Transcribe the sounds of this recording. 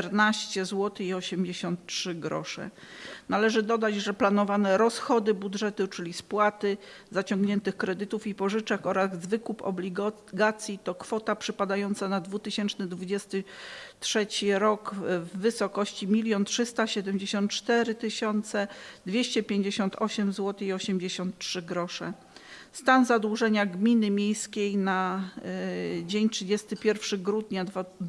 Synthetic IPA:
ɾnaɕt͡ɕɛzwɔt̪ɘiɔɕɛmd͡ʑeɕɔnt̪̚tʂɘɡɾɔ̰ʂɛ̰nalɛʐɘd̪ɔd̪ad͡ʑʐɛplanɔvanɛɾɔsxɔd̪ɘbudʐɛt̪ut͡ʂɘlʲispwat̪ɘ | zat͡ɕɔŋɡɲɛnt̪ɘxkɾɛd̪ɘt̪ufipɔʐɘt͡ʂɛkɔɾazːvɘkupɔ̰blʲiɡ | ɡat̪sʲjit̪ɔkfɔt̪apʂɘpad̪ajɔnt̪sanad̪vut̪ɘɕɛnt͡ʂnɛd̪vud͡ʑɛst̪ɘtʂɛt͡ɕiɾɔkvːɘsɔkɔɕt͡ɕimʲilʲjɔntʂɘst̪aɕɛd̪ɛmd͡ʑeɕɔnt̪t͡ʂt̪ɛɾɘt̪ɘɕɔnt̪sɛd̪vʲjeɕt͡ɕɛpʲjeɲd͡ʑeɕɔnt̪ʰɔɕɛmzwɔt̪ɘiɔɕɛmd͡ʑeɕɔnt̪ʂɘɡɾɔʂɛ̰ | st̪anzad̪wuʐɛɲaɡmʲinɘmʲjejskʲejna | d͡ʑeɲtʂɘd͡ʑɛst̪ɘpʲjɛɾfʂɘɡɾud̪ɲa

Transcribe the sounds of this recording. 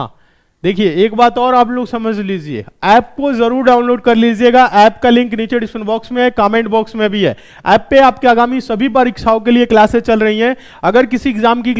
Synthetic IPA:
ɦã̰ː | d̪eːkʰieeːkbaːt̪ɔːɾaːp̬loːɡsɐməd͡ʒʱliːd͡ʒiḛːɛːp̚kozɐɾuːɾɖaːʊ̃nloːɖkɐɾliːd͡ʒieɡaʔɛːpkalɪ̃ŋkniːt͡ʃeɖɪsə̃nbɔːksmẽɦɛkaːmẽːɳʈbɔːksmẽbʱiɦɛ̰ː | ɛːpːeaːpkeaːɡaːmisɐbʱip̬əɾɪkʃʰaːõk̬elieklaːsẽt͡ʃɐlɾɐɦiɦɛ̃ | ɐɡəɾk̬ɪsiɪɡzaːmki

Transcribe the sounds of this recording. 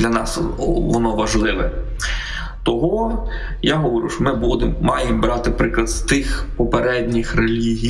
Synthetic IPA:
lʲɐnɑsʋɔnɔʋɐʒlˠɪʋɛ | t̪ɔɦɔ | jaɦɔʋɔɾʲṵʃɔmɪbud̪emːɑjembɾɑt̪ɪpɾɪklˠɐd̪t̪ɪxpɔpeɾɛdʲnʲixrelʲiɦʲi

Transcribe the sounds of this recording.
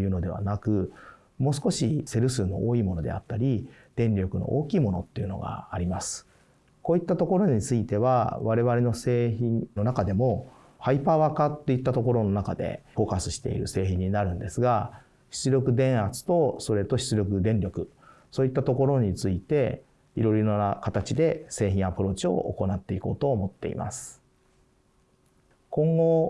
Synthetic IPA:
jɯ̟ːno̞d̪e̞βa̰nakɯ̟ | mo̞ːsɨ̥ko̞ɕise̞ɾɯ̟sɨːno̞̰ʔoːiːmo̞no̞d̪e̞̰at̪ːaɾʲi | d̪̥ẽ̞ɲɾʲo̞kɯ̟no̞̰ʔoːkʲiːmo̞no̞t̪ːe̞iɯ̟no̞̰ɡa̰ːɾʲimasɨ̥ | ko̞ːit̪ːat̪o̞ko̞ɾo̞ɲ̟it͡sɨit̪e̞βa̰βaɾe̞βaɾe̞no̞se̞ːçĩno̞nakad̪e̞mo̞ | haipaβakat̪ːe̞it̪ːat̪o̞ko̞ɾo̞no̞nakad̪e̞̰ɸo̞ːkasɨɕi̥t̪e̞̰ḭɾɯ̟̰se̞ːçĩɲ̟ːinaɾɯ̟̃nd̪e̞sɨɡa | ɕi̥t͡sɨɾʲo̞kɯ̟d̪ẽ̞ɰ̃at͡sɨ̥t̪o̞so̞ɾe̞t̪o̞ɕi̥t͡sɨɾʲo̞kɯ̟d̪ẽ̞nɾʲjo̞kɯ̟ | so̞ːit̪ːat̪o̞ko̞ɾo̞ɲ̟it͡sɨit̪e̞ | iɾo̞ɾoɾoakat̪at͡ɕid̪e̞se̞ːçĩɰ̃apɯ̟ɾo̞ːt͡ɕio̞̰ʔo̰ko̞nat̪ːe̞iko̞ːt̪o̞ːmo̞t̪ːe̞̰ḭma̰sɨ̥ | kõ̞ŋɡo̞

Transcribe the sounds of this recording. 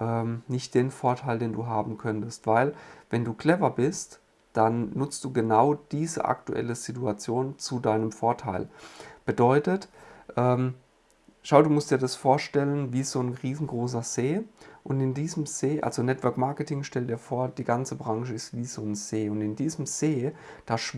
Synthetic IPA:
ʔɛːmnɪçt̚d̥eːnfoɐtʰaɪldeːnduːɦaːbm̩kʰœntəstv̥aɪlvɛnduːkl̥ɛvɐbɪst | d̥anːʊt͡st̚d̥uːɡənaʊd̥iːzə̰ʔa̰ktuʔɛ̰ləz̥ituat͡sjoːnt͡sudaɪnəmfoɐtʰaɪlb̥ədɔʏtətʔɛːm | ʃaʊduːmʊstd̥iːɐdasfoːɐʃtɛlənviːz̥oːnʁiːzn̩ɡʁoːs̬ɐz̥eːʔʊntɪndiːzəmz̥eːʔa̰lzonɛtv̥œɐkmaɐkətʰɪŋʃtɛldiːɐfoːɐd̥iːɡant͡səbʁaŋʃəɪstv̥iːzoːnz̥eːʊntɪndiːzəm̩z̥eː | d̥aːʃ

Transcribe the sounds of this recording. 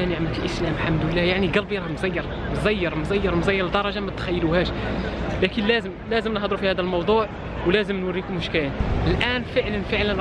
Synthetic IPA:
ʔæniʕamləklʔəslæmħamd̪lːæjaʕniɡɑlbijɾˤmzæjːɑɾˤ | mzæjːɑɾˤmzæjːɑɾˤmzæjːəɾˤd̪ɑɾˤɑʒamæt̪xæjːluhæʃlækənlæzəmlæzəmnhd̪ˤɾufihæd̪əlmɑwd̪ˤuʕ | wlæzəmnwərːikʊmʊʃkæjnʔəlʔænfəʕlənfəʕlən

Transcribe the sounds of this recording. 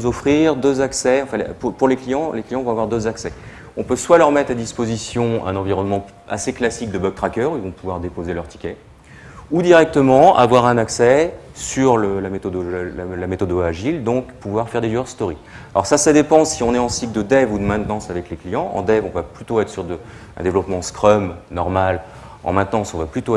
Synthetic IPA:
zɔfχiʁd̪øzaksɛɑ̃fɛ̃l̰pupuʁleklijɑ̃leklijɑ̃vɔ̃avwaʁd̪øzaksɛ | ɔ̃pøswalœʁmɛt̪χad̪ispozisjɔ̃ɛ̰̃nɑ̃viʁɔnmɑ̃ | a̰seklasik̚d̪əbɔk̚t̪χakʲœʁuilvɔ̃puvwaʁd̪epozelœʁt̪i̥kʲɛ | ud̪iʁɛk̚t̪əmɑ̃a̰vwaʁɛ̃naksɛsyʁləlamet̪ɔd̪olamet̪ɔd̪oaʒild̪ɔ̃kpuvwaʁfɛʁd̪eʒyœʁst̪ɔʁi | alɔ̰ʁsasad̪epɑ̃siɔ̃nɛɑ̃sik̚d̪əd̪ɛvud̪əmɛ̃t̪nɑ̃savɛkleklijɑ̃ʔɑ̰̃d̪ɛvɔ̃vaplyt̪oɛt̪χsyʁd̪ə | ɛ̰̃d̪evlɔpmɑ̃skχɔmnɔʁmal | ɑ̰̃mɛ̃t̪nɑ̃sɔ̃vaplyt̪o

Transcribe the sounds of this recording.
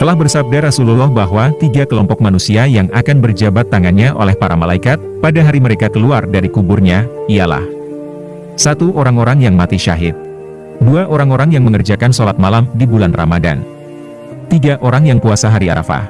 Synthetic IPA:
t̪əlahbərsab̚daɾasululɔhbaɦwat̪iɡakəlɔmpɔk̚manusiajaŋakanbərd͡ʒabat̪ːaŋanɲaʔo̰lɛhpaɾamalaikat̪̚padaɦaɾiməɾekakəluardaɾikubʊrɲaijala̰h | sat̪uʔoɾaŋoɾaŋjaŋmat̪iʃa̰ɦɪt̪̚ | duaʔoɾaŋoɾaŋjaŋməŋərd͡ʒakansolat̪̚malamdibulanra̰mada̰n | t̪iɡaʔoɾaŋjaŋpuasaɦaɾia̰ɾa̰fa̰

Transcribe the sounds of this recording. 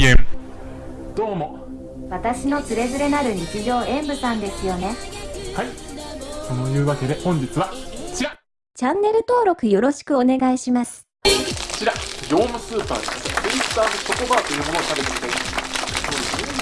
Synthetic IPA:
em | d̪̥o̞ːmo̞ | βat̪aɕino̞sɨɾe̞zɨɾe̞naɾɯ̟ɲ̟it͡siʑo̞ːʔẽ̞mbɯ̟sãnd̪e̞sɨjo̞ne̞hai | so̞no̞jɯ̟ːβake̞d̪e̞hõ̞ɲ̟d͡ʑit͡sɨβat͡ɕiɾa | t͡ɕãnːe̞ɾɯ̟t̪o̞ːɾo̞kɯ̟jo̞ɾo̞ɕi̥kɯ̟one̞ɡaiɕimasɨ̥ | t͡ɕiɾajʲo̞ːmɯ̟sɨːpa̰ːɾiit̪aːnosok̪obaːt̪o̞jɯ̟ːmo̞nosabet̪ekid̪esod̪esɨe

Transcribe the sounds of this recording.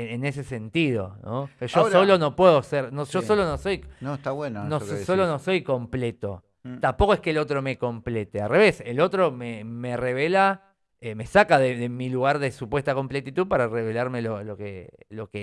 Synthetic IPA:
ene̞s̬e̞se̞nt̪ið̞o̞̰noʒosolonopweðoseɾnoʒ̥oso̞lonoso̞jnost̪aβwennosolonoso̞jko̞mple̞t̪o̞̰ | t̪ampo̞koeskelo̞t̪ɾo̞me̞ko̞mple̞t̪ealre̞βe̞selo̞t̪ɾomeme̞re̞β̞e̞la | eme̞sakaðeðemiluɣ̞aɾðe̞supwe̞st̪ako̞mplet̪it̪uðpaɾareβe̞laɾme̞lolokḛlo̞ke

